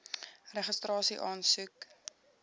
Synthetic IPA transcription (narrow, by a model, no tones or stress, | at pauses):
rəχəstrɑːsiʔɑːnsʉk